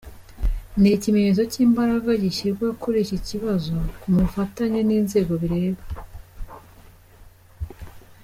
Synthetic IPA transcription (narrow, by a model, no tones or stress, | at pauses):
nicimeɲez̬o̞ciːmbaɾaɡaɟiʃikakʰo̞ɾe̞ʃiciβazo̞kumufataɲeniːnze̞ːɡo̞βiɾe̞ːβa